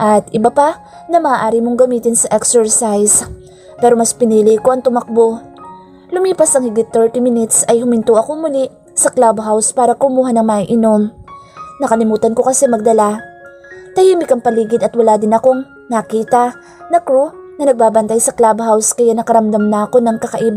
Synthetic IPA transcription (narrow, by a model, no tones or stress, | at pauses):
ʔɐt̪ʔɪbapa | nɐmɐːʔaːɾɪmoŋɡɐmiːt̪ɪnsɐʔɛksɛɹsajs | pɛːɾo̞mɐspɪniːlɪkoʔɐŋt̪ʊmɐk̚bo̞ | lʊmiːpɐsɐŋhɪɡɪt̪̚ːɛɹt̪imɪnɪt̪sɐjhʊmɪnt̪uʔɐko̞mʊli | sɐklabhawspaːɾɐkʊmuːɦɐnɐŋmɐʔɪno̞m | nɐkɐlɪmuːt̪ɐnko̞kɐsɛmɐɡ̚d̪ɐla | t̪ɐjimɪkɐŋpɐliːɡɪd̪ɐt̪wɐlaːd̪ɪnɐko̞ŋ | nɐkiːt̪ɐ | nɐkɾunɐnɐɡ̚baːbɐnt̪ajsɐklabɦawskɐjanɐkɐɾɐmd̪amnɐɐko̞nɐŋkɐkɐʔiːb